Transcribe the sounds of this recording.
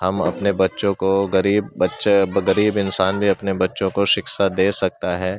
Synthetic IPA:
hɐmɐ̰pnebɐtːʃõkoɡɐɾiːbːɐtːʃɡɐɾiːbɪnsaːnbʱiɐpnebɐtːʃõkoʃɪksad̪eːsɐk̚t̪aɦɛː

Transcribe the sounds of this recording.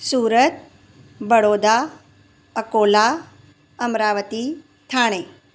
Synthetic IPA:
suːɾət̪̚ | bəɽoːd̪a | əkoːla | əmɾaːʋət̪i | t̪ʰaːɽ̃eː

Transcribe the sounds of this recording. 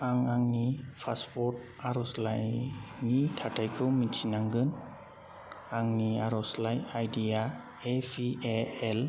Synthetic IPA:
aŋaŋnipʰaspʰɔt̚ | aɾɔslajnitʰatʰajkʰɯwmit͡ʃʰinaŋɡɯn | aŋniaɾɔslajajdija | epʰieel

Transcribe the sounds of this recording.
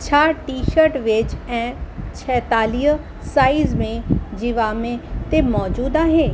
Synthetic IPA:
t͡ʃʰaːʈiːʃəɾʈʋet͡ʃɛ̃ːt͡ʃʰɛːt̪aːli | saːizmẽd͡ʒiʋaːmẽt̪emɔːd͡ʒuːd̪aɦeː

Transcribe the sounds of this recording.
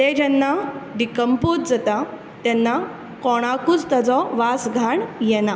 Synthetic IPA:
t̪ed͡ʑɛnːaɖikəmput̪̚d͡zət̪a | t̪ɛnːa | kɔɽ̃akut͡st̪ad͡zɔʋasɡʱaɳjɛna

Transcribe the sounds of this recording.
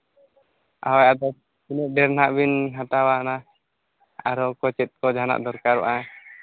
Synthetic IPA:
a̰wajad̪ɔ | kinɛt̪̚ɖɛɾnaʔbinɦat̪awana | aɾɔkɔt͡ʃɛt̪̚kɔd͡ʒʱana̰ʔd̪ɔɾkaɾwa̰ʔa

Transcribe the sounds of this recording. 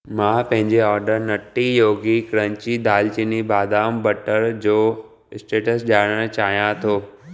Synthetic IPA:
mãːpɐ̃ɦɪ̃ɲd͡ʑeɔːɾɖəɾnɐʈːijoːɡikɾə̃ɲt͡ɕid̪aːlt͡ɕinibaːd̪aːmbəʈəɾd͡ʑoː | ɪsʈeːʈəsʄaːɽəɽ̃t͡ɕaːɦijãt̪ʰoː

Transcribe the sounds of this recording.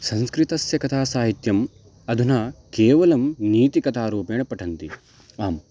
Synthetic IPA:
sɐ̃nskɾit̪ɐsjɐkɐt̪aːsaːɦit̪jɐm | ɐd̪ʱunɐkeːʋɐlɐmniːt̪ikɐt̪aːɾuːpeːɳɐpɐʈʰɐnt̪i | aːm

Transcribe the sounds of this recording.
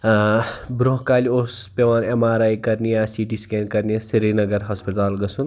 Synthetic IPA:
bɾoɦkaːliospeʋaːnemaːɾajkɐɾnijasiʈiskeːnkɐɾnijasiɾinɐɡɐɾɦɐspiʈ̪aːlɡɐsun

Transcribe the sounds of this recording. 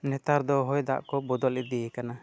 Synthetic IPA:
nɛt̪aɾd̪ɔɦɔjd̪a̰ʔkɔbɔd̪ɔlid̪ɛjɛkana

